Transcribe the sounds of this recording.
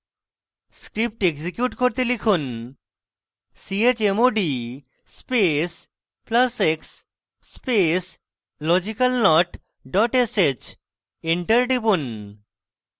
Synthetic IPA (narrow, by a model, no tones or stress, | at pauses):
skɾip̚ʈeɡsikjuʈkoɾt̪elikʰun | siet͡ɕemoɖi | spes | plaseksː | pes | lɔd͡ʑikalnɔʈ | ɖɔʈeset͡ɕ | iɳʈɐɾɖipun